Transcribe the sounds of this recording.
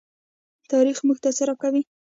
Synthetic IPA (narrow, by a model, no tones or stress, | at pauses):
t̪ɑɾixmuɡt̪asaɾakawi